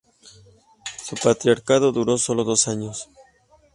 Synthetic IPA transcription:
supat̪ɾjaɾkaðo̞ðuɾo̞so̞lo̞ðo̞saɲos

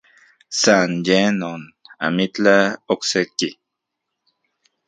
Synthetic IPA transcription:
sanjenona̰mit͡ɬaokseki

